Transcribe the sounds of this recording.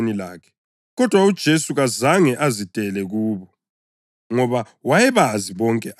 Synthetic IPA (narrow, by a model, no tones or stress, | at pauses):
nila̰ːkʰɛ̥ | ɣɔd̥ʱwaud̥ʒ̥ʱesuɣazaŋɛʔazid̥ʱʼɛlɛɣuːβɔ | ŋɔβa | wajɛβaziβɔŋkʼɛʔ